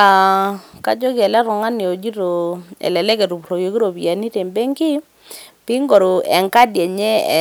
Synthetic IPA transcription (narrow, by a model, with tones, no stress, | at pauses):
a˨ | ka˦d͡ʒɔ˦ɡɛ˨lɛ˦ɾɔ˨ŋa˦nɪ˨o˨d͡ʒi˦ɾo˨ɛ̰˨lɛ˨lɛ˦kɛ˨ɾu˨pɾo˨jo˨˦ki˦ɾo˨pja˨ni˦te˨mbe˦ŋki˦ | pi˦ŋɡo˨ɾo˨ɛ˨ŋka˦djɛ˨ɲɛ̰˦˨